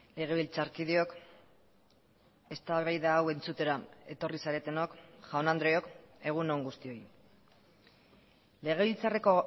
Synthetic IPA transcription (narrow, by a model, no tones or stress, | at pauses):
le̞ɣ̞e̞βilt͡saɾkiðio̞k | e̞st̪aβajðaːwe̞nt͡sut̪e̞ɾae̞t̪o̞risaɾe̞t̪e̞no̞kʝaonand̪ɾojo̞ke̞ɣ̞uno̞ŋɡust̪io̞j | le̞ɣ̞e̞βilt͡sare̞ko̞